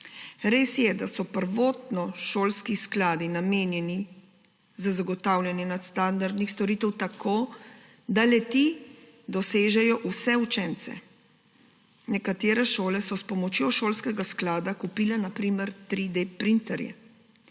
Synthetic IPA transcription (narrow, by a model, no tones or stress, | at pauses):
ɾeːsjɛd̪asɔpəɾʋoːt̪nɔʃoːlskisklaːd̪inameːnjɛni | zazaɡɔt̪aːwljanjɛnat̪st̪and̪aɾd̪nixst̪ɔɾiːt̪ɛwt̪akʰoː | d̪alɛt̪i | d̪ɔseːʒɛjɔʔusɛut͡ʃɛnt̪sɛ̰ | nɛkat̪eːɾɛʃoːlɛsɔspɔmɔt͡ʃjoːʃoːlskɛɡasklaːd̪akupiːlɛnapɾiːmɛɾt̪ɾid̪epɾint̪ɛɾjɛ̰